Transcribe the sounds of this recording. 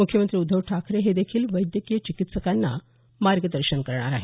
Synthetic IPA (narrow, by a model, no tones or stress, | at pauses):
mukʰjəmənt̪ɾiːud̪ʱːəʋʈʰakʰɾeɦed̪ekʰiːlʋəjd̪jəkijət͡ɕikit̪səkanːa̰ | maɾɡəd̪əɾɕənkəɾɳ̃a̰ɾaɦe